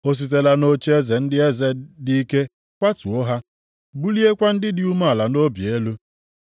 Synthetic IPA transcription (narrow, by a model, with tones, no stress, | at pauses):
o˦s̬i˨t̬e˨la˦no˦t͡ʃe˦ze˨n̩˦dɪ˦e˦ze˦di˦i˦ke˦ | kʷa˦tu˨o˦ɦa˦ | bu˦li˦e˦kʷa˦n̩˦dɪ˦dɪ˦u˦ma˦a˨la˨no˦bje˦lu˦